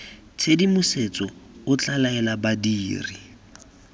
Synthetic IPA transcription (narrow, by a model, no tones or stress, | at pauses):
t͡sʰedimʊset͡sɔʊt͡ɬʼalaɛlabadiːrḭ